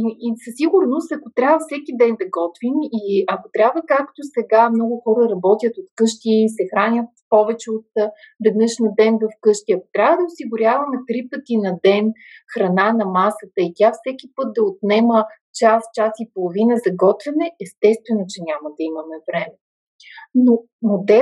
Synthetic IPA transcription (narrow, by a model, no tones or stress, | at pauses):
iisɐsiɡʊɾnost̪ɐkot̪ɾʲabvəfsɛkʲid̪ɛnd̪ɐɡɔt̪vimiɐkot̪ɾʲabvəkakt̪osɛɡamnɔɡʊxɔɾəɾɐbɔt̪ʲjət̪ot̪kɤʃt̪iːsɛxɾanʲət̪pɔvɛt͡ʃɛot̪vɛd̪nɤʃnɐd̪ɛnvɐfkɤʃt̪iɐko̥t̪ɾʲavəd̪ɐosiɡʊɾʲjavɐmɛt̪ɾipət̪inɐd̪ɛn | xɾɐnanɐmasət̪əit̪ʲafsɛkʲipɤt̪̚d̪ɐot̪nɛmə | t͡ʃast͡ʃasipolˠovinəzɐɡɔt̪vɛnɛɛst̪ɛst̪vɛnot͡ʃɛnʲaməd̪ɐimɐmɛvɾɛmɛ | no | mod̪ɛ